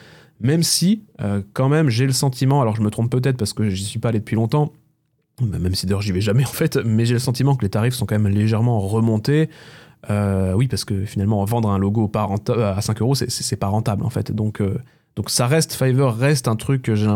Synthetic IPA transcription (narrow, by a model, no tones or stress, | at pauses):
mɛmsiøkɑ̃mɛmʒeləsɑ̃t̪imɑ̃alɔʁʒəmət̪χɔ̃p̚pːøt̪̬ɛt̪χpaʁsə̥kəʒisɥipaːled̪əpɥilɔ̃t̪ɑ̃ | mɛmsid̪ajɔʁʒivɛʒamɛɑ̃fɛt̪mɛʒeləsɑ̃t̪imɑ̃kəlet̪aʁifsɔ̃kɑ̃mɛmleʒɛʁmɑ̃ʁəmɔ̃t̪e | øwipaʁsə̥kəfinalmɑ̃vɑ̃d̪ʁɛ̃loɡopaʁɑ̃t̪aasɛ̃køʁosɛ̰sɛsɛpaʁɑ̃t̪ablɑ̰̃fɛ̰t̪d̪ɔ̃kø | d̪̥ɔ̃ksaʁɛst̪fajvœʁːɛst̪ɛ̃t̪χykːəʒeɛ